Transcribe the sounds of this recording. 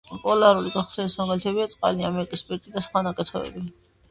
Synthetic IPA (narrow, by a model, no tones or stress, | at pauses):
pʼɔlaɾuliɡaχsɛnismaʁalt̪ʰɛbiat̪sʼqʼa̰liamɛɾikʼispʼɛɾt̪ʼid̪asχwanakʼɛt̪ʰɔɛ̰bi